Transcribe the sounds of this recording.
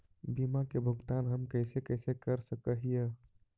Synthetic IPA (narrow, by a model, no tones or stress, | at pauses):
bimakebʱəɡt̪anɦəmkəjsekəɪsekəɾsəkəɦije